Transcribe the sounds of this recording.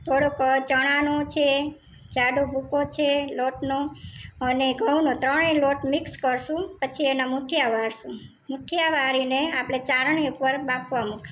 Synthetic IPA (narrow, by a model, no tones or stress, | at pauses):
t̪ʰoɽokəɾt͡ʃəɽ̃anot͡ʃʰe | d͡ʒaɖobʱukot͡ʃʰeloʈnoəneɡʱəʋnot̪ɾəɳeloʈmikskəɾʃũpət͡ʃʰienamuʈʰjaʋaɾʃũ | muʈʰjaʋaɾineapɽ̃et͡ʃaɾɳ̃iupəɾbapʰʋamukʰʃũ̥